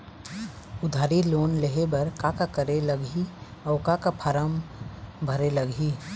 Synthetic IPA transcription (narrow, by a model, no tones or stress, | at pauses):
ʊd̪ʱaːɾiloːnleɦebɐɾkakakəɾeləɡiɔːɾkakapʰaɾəmbʱɐɾeləɡʱi